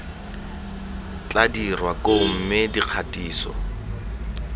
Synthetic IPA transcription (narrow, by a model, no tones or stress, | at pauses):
t͡ɬʼadirwakom̩mɪdiq͡χʰatʼiːsɔ̰